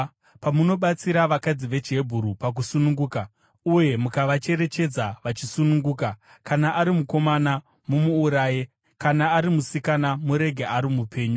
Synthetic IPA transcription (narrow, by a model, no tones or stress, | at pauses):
pamuno̞ɓat͡siɾaʋakad͡ziʋe̞t͡ʃiɦe̞bʱuɾupak̬usunuŋɡuːka | uje̞mukaʋat͡ʃe̞ɾe̞t͡ʃe̞d͡zaʋat͡ʃisunuŋɡuːka | kanaʔaɾimuko̞mana | mumuːɾaːje | kanaːɾimusikanamuɾe̞ɡʱeʔaɾimupʰe̞ːɲu